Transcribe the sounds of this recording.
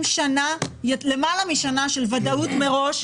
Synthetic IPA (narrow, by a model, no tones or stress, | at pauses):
mʃanajle̞malamiʃanaʃelvadautme̞ʁo̞ʃ